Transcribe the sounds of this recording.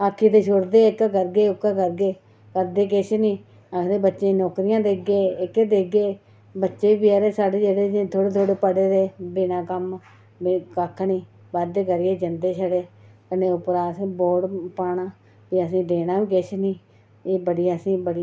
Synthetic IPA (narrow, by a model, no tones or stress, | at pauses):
əkʰːiːt̪eːʃʊɽd̪eːɪkkəɾɡeːʊkːkəɾɡeː | kəɾd̪eːk̬ɪt͡ʃniː | əkʰd̪eːbətːʃeːnɔːkɾɪjãːd̪eːɡeːɪkːd̪eːɡeː | bətːʃeːiːbiəːɾeːsaːɽeːd͡ʒeːɽeːet̪ʰoːɽeːt̪ʰoːɽeːpəɽeːd̪eːbɪnãːkəm | kəkʰːnĩː | bəd̪eːkəɾɡeːd͡ʒənd̪eːʃʰəɽeːkəneːʊpɾaːsboːɖpaːɳãː | t̪iːəs̬ĩːd̪eːnaːʋiːkɪʃniː | eːbəɽiːaəsĩːbəɽi